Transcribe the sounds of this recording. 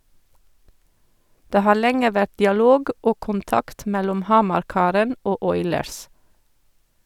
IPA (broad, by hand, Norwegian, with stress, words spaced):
ˈdeː ˈhɑːɾ ˈlɛŋə ˈʋæt dɪɑˈloːɡ ˈʔoː kʊnˈtɑkt ˈmɛlɔm ˈhɑmɑɾˌkɑːɾən ˈoː ˈʔɔʏləɹs